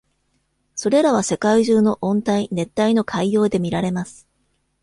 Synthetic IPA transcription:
so̞ɾe̞ɾaβ̞ase̞kaiʑɨːno̞ʔõ̞nt̪aine̞t̪ːaino̞kʰaijo̞ːd̪e̞mʲiɾaɾe̞masɨ̥

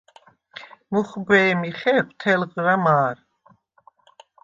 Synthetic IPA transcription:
muχbɛːmiχɛpt̪ʰɛlʁɾamaːɾ

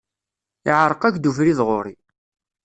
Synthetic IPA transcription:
ɪʕɾˤəqækd̪ufɾiðʁoɾi

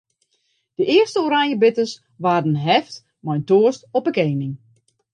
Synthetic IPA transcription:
d̥əʔɪərstəoɾajəbɪtəs | ʋaːrdənɦɛft | mɔjntoːəstɔpəkeːnɪŋ

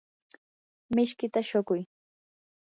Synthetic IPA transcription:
mɪʃkɪt̪aʃokʊj

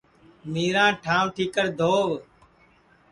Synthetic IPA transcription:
miːɾãːʈʰãːʋʈʰiːkəɾd̪ʱoːʋ

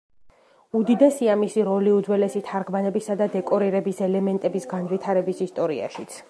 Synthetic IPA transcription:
ud̪id̪ɛsiamisiɾɔliud̪zwɛlɛsit̪ʰaɾɡmanɛbisad̪ad̪ɛkʼɔɾiɾɛbisɛlɛmɛnt̪ʼɛbisɡanvit̪ʰaɾɛbisist̪ʼɔɾia̰ʃit̪sʰ

